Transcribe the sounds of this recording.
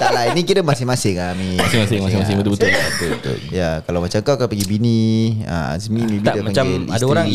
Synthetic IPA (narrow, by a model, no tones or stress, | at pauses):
t̪alainikit̪amasɪŋmasɪŋamimasɪmasɪŋmasɪŋmas̬ɪŋbət̪ubət̪ʊlbt̪ubət̪ʊ̰ljakalawmat͡ʃakakapəɡibiniə̰a̰zmimebiadamaaŋt͡ʃaeiadaoɾaŋ